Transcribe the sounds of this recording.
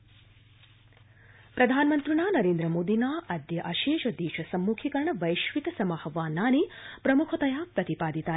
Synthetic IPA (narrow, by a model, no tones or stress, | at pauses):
pɾɐd̪ʱaːnmɐnt̪ɾunaːnɐɾeːnd̪ɾəmoːd̪inaːʔɐd̪jɐʔɐʃeːʃɐd̪jeːʃɐsɐmːuːkʰikɐɾɳɐʋɐjʃʋit̪ɐsɐmahɐʋaːnːaːnipɾɐmukʰɐt̪ɐjaːpɾɐt̪ipaːd̪it̪aː